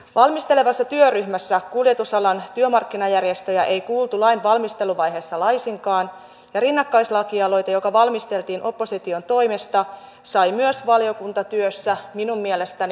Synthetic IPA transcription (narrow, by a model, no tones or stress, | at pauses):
ʋɑlmist̪e̞le̞ʋɑsːɑt̪yøryçmæsːækulje̞t̪usɑlɑnt̪yømɑrkːinɑjærje̞st̪ø̞jæʔejkuːlt̪ulɑinʋɑlmist̪e̞luʋɑjɦe̞ːsːɑlɑjsiŋkɑːn | jɑɾinːɑkːɑjslɑkiɑlo̞jt̪ɑjo̞kɑʋɑlmist̪e̞lt̪iːnʔo̞pːo̞sit̪io̞nt̪o̞jme̞st̪ɑ | sɑjmyøsʋɑlijo̞kunt̪ɑt̪yøsːæminummiele̞st̪æni